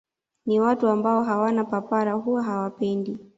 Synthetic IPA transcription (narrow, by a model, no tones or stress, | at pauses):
niwatuambaɔɦawanapapaɾaɦuwaɦawapɛndi